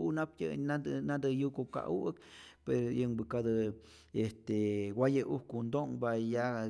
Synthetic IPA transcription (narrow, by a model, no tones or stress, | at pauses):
nap̚tʲə̰ad̪nad̪ɨjukoka̰ʔukpeɾojɨŋbɨkad̪ɨ | est̪ewʷajəʔukund̪oŋbaja